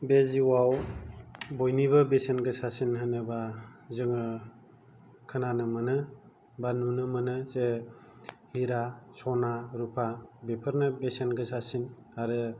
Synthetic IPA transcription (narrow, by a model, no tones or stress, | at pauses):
beziwaw | bojnibabesenɡɯsasinɦɯnɯbazɯŋɯ | kʰɯnanɯmanɯ | banunɯmɯnɯze | hiɾasɔnaɾupʰabepʰɯɾnɯbesenɡɯsasin | aɾɯ